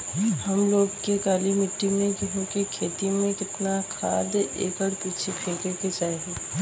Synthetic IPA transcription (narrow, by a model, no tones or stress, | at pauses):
hɐmloːɡkekaːlimɪʈːimẽkɪɦõkekʰeːt̪imẽkɪt̪nakʰaːd̪ḛːkəɽpiːt͡ʃʰikʰeːkeket͡ʃaːeɡeː